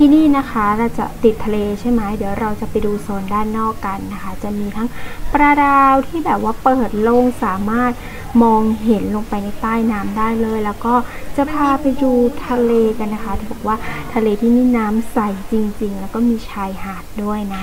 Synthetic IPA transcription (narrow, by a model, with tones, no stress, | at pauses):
t̪ʰiː˥˩niː˥˩na˦˥kʰa˦˥ɾa˧wt͡ɕa̰˨˩t̪i˨˩t̪ʰːa˧leː˧t͡ɕʰa˥˩jma˦˥jdi˩˦əwɾa˧wt͡ɕa˨˩pa˧jduː˧soː˩˦ndaː˥˩jnɔː˥˩kːa˧nːa˦˥kʰa˦˥t͡ɕa˨˩miː˧t̪ʰa˦˥ŋpɾa˧daː˧wt̪ʰiː˥˩bɛː˨˩p̚waː˥˩pɤː˨˩t̪̚lo˧˩ŋsaː˨˩˦maː˥˩t̪̚ | mɔː˧ŋɦe˩˦nlo˧ŋpa˧jna˧jt̪aː˥˩jnaː˦˥mdaː˥˩jlɤː˧jlɛː˦˥wkɔː˥˩t͡ɕa˨˩pʰaː˧pa˧jduː˧t̪ʰa˧leː˧ka˧nːa˦˥kʰa˦˥t̪ʰiː˥˩bɔː˨˩k̚waː˥˩t̪ʰa˧leː˧t̪ʰiː˥˩niː˥˩naː˦˥msa˨˩jt͡ɕi˧ŋt͡ɕi˧ŋlɛː˦˥wkɔː˥˩miː˧t͡ɕʰaː˧jhaː˨˩t̪̚du˥˩əjna˦˥